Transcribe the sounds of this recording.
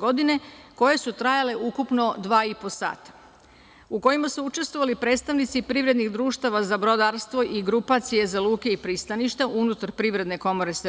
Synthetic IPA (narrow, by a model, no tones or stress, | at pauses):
ɡo̞d̪ine̞ko̞je̞sut̪ɾajale̞ʔukupno̞d̪ʋaːiposa̰ːt̪ḁ | uko̞imasuut͡ʃe̞st̪ʋo̞ʋalipɾe̞ːt̪st̪aʋnit̪sipɾiʋɾe̞d̪niɣd̪ɾuːʃt̪aʋazabɾo̞d̪aɾst̪ʋo̞ʔiɡɾupat̪sije̞zalˠuːke̞ipɾist̪aniʃt̪aʔunut̪aɾpɾiʋɾe̞d̪ne̞ko̞mo̞ɾe̞s